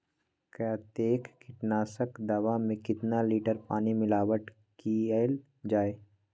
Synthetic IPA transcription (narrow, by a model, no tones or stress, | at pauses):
kjaːt̪eːkːɪʈnaːsəkd̪ɐʋamẽkɪt̪naliːʈəɾpaːnimɪlaːʋəʈ | kial | d͡ʒaːeː